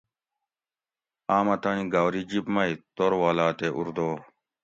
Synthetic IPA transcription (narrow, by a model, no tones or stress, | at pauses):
aːmɐt̪ɐniɡawɾid͡ʑipmɐit̪oɾwaːlaːt̪eʔuɾd̪oː